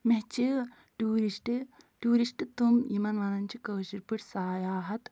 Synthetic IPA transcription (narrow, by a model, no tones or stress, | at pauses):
meɦt͡ʃi | ʈuːɾisʈɨ | ʈuːɾiʂʈɨt̪umimɐnʋɐnɐnt͡ʃikɐʋʃiɾpɨʈsaːjaːɦɐt̪